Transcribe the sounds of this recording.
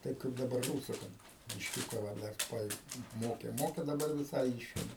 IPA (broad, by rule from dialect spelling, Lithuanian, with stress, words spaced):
ˈtɐɪp kɐɪp dɐˈbɐr ˈruːsʊ ˈkɐt bʲɪʃʲˈkʲuːkɐ ʋɐ ˈdɐr ˈʋɐ ɪ ˈmoːkʲeː ˈmoːkʲeː dɐˈbɐr ʋʲɪˈsɐɪ ˈiːʃʲeːmʲɛ